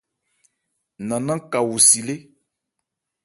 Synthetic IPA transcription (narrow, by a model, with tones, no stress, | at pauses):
nã˨nã˦ka˨wu˨si˨le˦